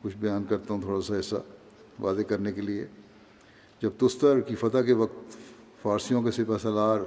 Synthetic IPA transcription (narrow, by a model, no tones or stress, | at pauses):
kʊt͡ʃʰbɐjaːnkɐɾt̪aɦũt̪ʰoːɽasaɦɪsa̰ | ʋaːd̪ekɐɾnekeliḛ | d͡ʒɐb̚t̪ʊst̪əɾkifɐt̪akeʋɐkt̪ | faːɾsijõkesɪpɛsɐlaːɾ